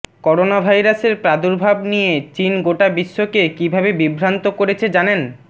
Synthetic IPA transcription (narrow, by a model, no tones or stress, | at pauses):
kɔɾonabʱajɾaseɾpɾad̪uɾbʱabnijet͡ɕinɡoʈabiʃːokekibʱabebibʱɾant̪okoɾet͡ɕʰed͡ʑanen